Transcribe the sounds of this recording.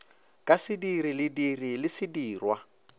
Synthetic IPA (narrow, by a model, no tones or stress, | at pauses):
kʼasɪdiɾilɪdirilɪsɪdiːrwa